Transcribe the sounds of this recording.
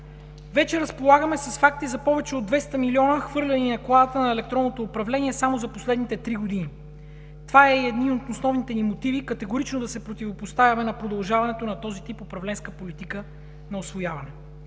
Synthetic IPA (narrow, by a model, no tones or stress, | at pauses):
vɛt͡ʃɛɾɐspolˠaɡəmɛsɐsfak̚t̪izɐpɔvɛt͡ʃɛod̪vɛst̪ɐmiliɔnəxvɤɾlʲɛninɐklˠad̪ət̪ənɐɛlɛk̚t̪ɾɔnːot̪oːpɾɐvlɛniɛsamozɐposlɛd̪nit̪ɛt̪ɾiɡod̪ini | t̪ovaɛiɛd̪niot̪osnɔvnit̪ɛnimot̪ivikɐt̪ɛɡoɾit͡ʃnod̪ɐsɛpɾot̪ivopost̪avʲɐmɛnɐpɾod̪ɐlˠʒavɐnɛt̪onɐt̪ɔzit̪ipopɾɐvlɛnskəpolit̪ikə | nɐosvojavɐnɛ